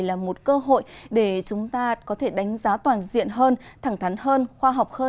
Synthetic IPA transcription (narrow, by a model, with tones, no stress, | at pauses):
laː˨˩mo˨˩t̚kəː˧ɦo̰˧˨jɗe˧˩t͡ɕʊ˨˦ŋ͡mt̪aː˧kɔ˨˦t̪ʰe˧˩ɗa˨˦jŋ̟zaː˨˦t̪waː˨˩nzḭ˧˨ənɦəː˧nt̪ʰa˧˩ŋt̪ʰa˨˦nɦəː˧nxwaː˧ɦɔ˨˩wk͡p̚həː˧